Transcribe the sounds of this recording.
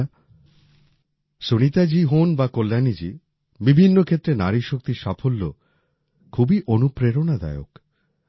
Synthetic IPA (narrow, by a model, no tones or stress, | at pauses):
sonit̪ad͡ʑiɦonbakolːanid͡ʑi | bibʱinːokʰet̪ːɾenaɾiʃok̚t̪iʃafolːo | kʰubiʔonupɾeɾonad̪a̰eo̰k